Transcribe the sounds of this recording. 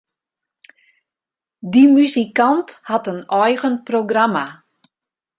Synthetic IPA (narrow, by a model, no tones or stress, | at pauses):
dimyzikanthatənɔjɣənproɡrama